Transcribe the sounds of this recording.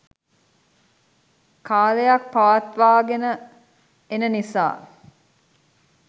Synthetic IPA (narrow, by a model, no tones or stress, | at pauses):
kaːlejak̚paʋɐt̪ʋaːɡenə | enənisa̰ː